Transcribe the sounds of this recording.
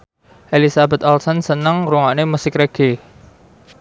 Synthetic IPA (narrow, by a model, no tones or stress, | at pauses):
ʔelisabɛ̤t̪ɔlsɔnsənəŋɾuŋaʔnemusɪkreɡ̥e